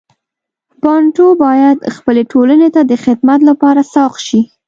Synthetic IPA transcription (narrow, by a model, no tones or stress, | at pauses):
pɑɳʈobɑjad̪xpəleʈolənet̪ad̪əxɪd̪mat̪lapɑɾasɑqʃi